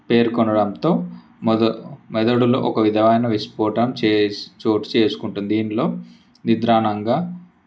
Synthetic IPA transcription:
pe̞ːɾkɔnɐɽɐmt̪o̞ː | mɛd̪ɐɽulo̰ːʔɔkɐʋid̪ʱɐʋɐjnɐʋispoːʈɐmt͡ʃːt͡ʃoːʈt͡ʃe̞ːsu̥kuɳʈund̪d̪iːnlo̞ː | nid̪ɾaːnɐŋɡaː

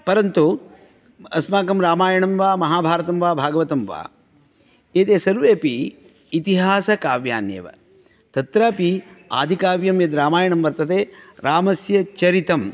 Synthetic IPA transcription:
pɐɾɐnt̪u | ɐsmaːkɐmɾaːmaːjɐɳɐmʋaːmɐɦaːbʱaːɾɐt̪ɐmʋaːbʱaːɡɐʋɐt̪ɐmʋa̰ː | eːt̪eːsɐɾʋeːpiː | t̪iɦaːsɐkaːʋja̰ːnjḛːʋɐ̰ | t̪ɐt̪ɾaːpia̰ːd̪ʱikaːʋjɐmjɐd̪ɾaːmaːjɐɳɐmʋɐɾt̪ɐt̪eːɾaːmɐsjɐt͡ʃɐɾit̪ɐm

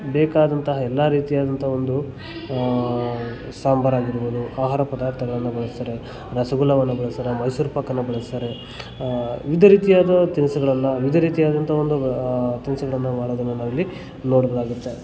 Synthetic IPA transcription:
bɛːkaːd̪ɐnt̪ɐɦɐɛlːaɾiːt̪ijaːd̪ɐnt̪ɐo̞nd̪u | saːmbʱɐɾaːɡiɾboːd̪uaːɦaːɾɐpɐd̪aːɾt̪ʰɐɡɐɭɐnːɐbɐɭɐst̪ɐɾe̞ | ɾɐsɐɡulɐʋɐnːɐbɐɭɐst̪ɐɾemɐjsuːɾpakɐnːɐbɐɭɐst̪ɐɾe̞ | ʋid̪ʱɐɾiːt̪ijaːd̪ɐt̪insɐɡɐɭɐnːɐʋid̪ʱɐɾiːt̪ijaːd̪ɐnt̪ʰɐo̞nd̪ut̪insɐɡɐɭɐnːɐmaːɽoːd̪ɐnːɐnaʋɐlːi | noːɽɐɡɐlaːɡut̪ːe

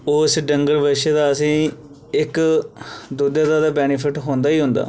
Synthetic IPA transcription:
oːsɖəŋɡəɾʋəʃeːd̪aːəsĩː | ɪk | d̪ud̪jaːd̪aːd̪aːbɛːnɪpʰɪʈɦõːnd̪aːiːɦʊ̃nd̪a̰ː

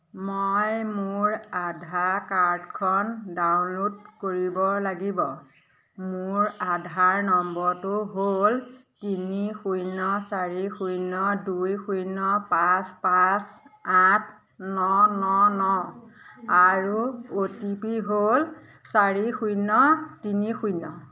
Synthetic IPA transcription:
mojmʊɹadʱakaɹdkʰɔndawnlodkoɹibɔlaɡibɔ | mʊɹadʱaɹnɔmbɔɹtuɦoltinixujnɔsaɹixujnɔdujxujnɔpaspasatʰ | nɔnɔnɔ | aɹuotipiɦol | saɹixujnɔtinixujnɔ

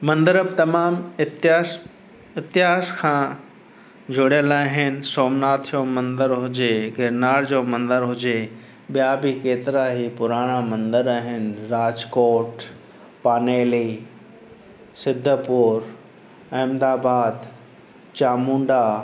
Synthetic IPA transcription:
mɐ̃nd̪əɾəbt̪ɐmaːmɪ | ɪt̪ɪɦaːskʰãː | d͡ʑʊɽjəlaːɦɪnɪ̆soːmnaːt̪ʰjomɐ̃nd̪əɾɦʊd͡ʑeɡɪɾnaːɾd͡ʑoːmɐ̃nd̪əɾɦʊd͡ʑe | ɓijabikeːt̪ɪɾaɦiːpʊɾaːɽ̃amɐ̃nd̪əɾaɦɪnɾaːd͡ʑkoːʈ | paːneːli | sɪd̪ʱːəpʊɾ | ɐ̃ːmd̪aːbaːd̪ | t͡ɕaːmũːɳɖa

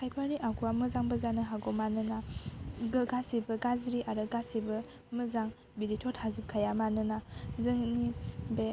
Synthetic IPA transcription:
kʰajpʰaniʔaɡuamɯzaŋbəzanɯɦaɡɔmanɯnaɡɯɡasibɯɡazɾiʔaɾɯɡasibɯ | mɯzaŋ | biɾitʰɔt̚hazup̚kʰajamanɯnazɯŋnibe

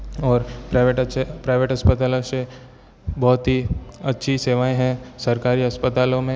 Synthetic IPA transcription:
ɔːɾpɾaʋeʈpɾaːɪʋeʈɦɐspət̪aːlõse | bɔːt̪ɦiɐtːʃʰiseːʋaːẽɦɛ̃sɐɾkaːɾiɦɐspət̪aːlõmẽ

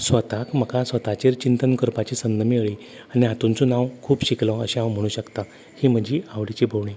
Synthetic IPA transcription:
sʋət̪akm̤əkasʋət̪at͡ɕeɾt͡ɕint̪ənkəɾpat͡ɕisənːəmiəɭi | aniɦat̪unt͡sonawkʰuːpɕiklə̃əɕĩãwm̤əɽ̃ũːɕəkt̪a | hiːm̤əd͡ʑiaʋɽit͡ɕibʱoʋɳĩ

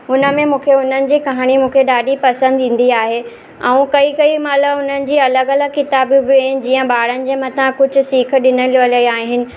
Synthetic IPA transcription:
ʊnə̆mẽmũːkʰeʊn̤ənɪ̆d͡ʑiːkɐɦaːɽ̃imũːkʰeɗaːɗipɐsə̃nd̪ĩːn̆d̪iaːɦe | ɛ̃ũkɐikɐimɐləbʊn̤ənɪ̆d͡ʑiːɐləɡɐləɡkɪt̪aːbbẽːnd͡ʑiːə̃ɓaːɽənɪ̆d͡ʑeːmɐt̪ʰãkʊd͡ʑʱʊ̆siːkʰɗɪnəliəlɐiaːɦɪnɪ̆

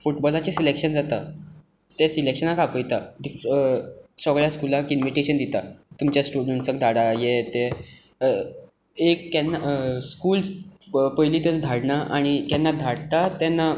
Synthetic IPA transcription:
fuʈbɔlat͡ɕesilekʂənd͡zat̪a | t̪esilekɕənakapəjt̪adi | sɔɡɭjaskulakinʋiʈeɕənd̪it̪at̪umt͡ɕjasʈuɽnəɳʈsəɡ̚d̪ʱaɽajet̪e | ekːɛnːaskuːlspəjliːt̪et͡sd̪ʱaɽnaʔaɽ̃ik̪ɛnːad̪ʱaɽt̪at̪ɛnːa

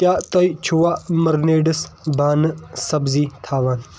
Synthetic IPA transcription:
kjaːt̪ɐit͡ʃʰuwaːmɐɾneːɖɐsbaːnɨsɐbziːt̪ʰaːʋaːn

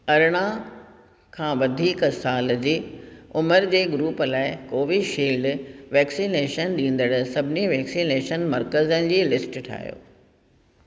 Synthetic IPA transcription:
ɐɾɽ̃a | kʰãːʋɐd̪ʱiːksaːld͡ʑiːʊməɾd͡ʑeːɡɾuːpəlaːɪkoːʋiʃiːɖʋɛːksineːʃənɗĩːn̆d̪əɽʊ̆sɐbʱɪniʋɛːksineːʃənmɐɾkəzənɪ̆d͡ʑiːlɪsʈʈʰa̰ːɦjo̰ː

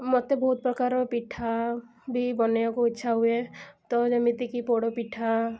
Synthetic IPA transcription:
mot̪ebɔɦut̪̚pɾɔkaɾɔpiʈʰa | bʱibɔneakuitːʃʰaɦuet̪ɔd͡ʒɔmit̪ikipoɽɔpiʈʰa

